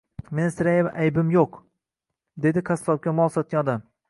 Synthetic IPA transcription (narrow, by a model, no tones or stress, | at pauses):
mensɪɾajevaʔajbɪmjoq | d̪e̞d̪ɪkʰasˠɒp̚kʲamɒsɒt̪̚kʲanɒd̪am